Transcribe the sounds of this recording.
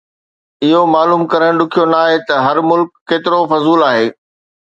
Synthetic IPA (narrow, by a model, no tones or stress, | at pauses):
ɪɦomaːluːmkɐɾəɽ̃ɗʊkʰijonaːɦet̪ɐɦɐɾmʊlkːeːt̪ɪɾofɐzuːlaːɦeː